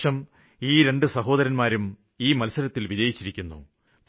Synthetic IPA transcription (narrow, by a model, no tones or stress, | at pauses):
ɐm | iːɾe̞ɳɖɨsɐɦo̞ːd̪ɐɾɐnmaːɾum | iːmɐlsɐɾɐt̪ːilʋid͡ʑɐjit͡ɕːiɾikʲːunːṵ | p